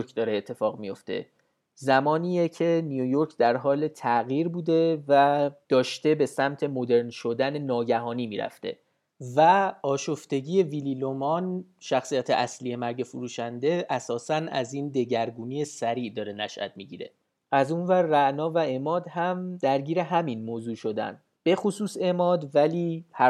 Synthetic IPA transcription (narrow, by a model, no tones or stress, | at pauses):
ɾkd̪ɒːɾeːt̪ʰːe̞fɒːɣmijo̞̰ft̪ʰḛ | zæmɒːniːjecʰe̞nijojo̞ɾcʰd̪æɾɦɒːle̞t̪ʰæɣiːɾbuːd̪e̞væd̪̥ɒːʃt̪e̞be̞sæmt̪ʰe̞mod̪e̞ɾnʃo̞d̪æne̞nɒːɟæɦɒːniːmiːɾæ̰ft̪e̞̰ | væɒːʃoft̪e̞ɟiːe̞vililomɒnʃæxsijæt̪ʰḛʔæsliːje̞mæɾɟe̞fuɾuːʃænd̪e̞ʔæsɒːsænæ̰ziːnd̪e̞ɟæɾɡuːniːe̞sæɾiːʔd̪ɒːɾe̞næ̰ʃʔæ̰t̪̚ʰmiɟiːɾe̞̰ | ʔæzuːnvæɾːæʔnɒːvæe̞mɒːd̪hæmd̪æɾɟiːɾe̞ɦæminmoːzuːʃo̞d̪æ̰n | b̥e̞xosuːse̞mɒːd̪væliːhæ